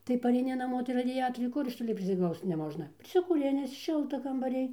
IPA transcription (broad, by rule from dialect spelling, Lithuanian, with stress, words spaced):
tɐɪ pɐrʲɛɪˈnʲɪ nɐˈmoː tɐɪ rɐˈdʲæːtoːrʲɛɪ ˈkʊr ɪʃ ˈtoːlʲɪ pʲrʲɪsʲɪˈɡlˠɐʊst͡s nʲɛˈmoːʒnɐ pʲrʲɪsʲɪkuːˈrʲɪnʲɪs ˈʃʲɪlˠtɐ kɐmbɐˈrʲɪj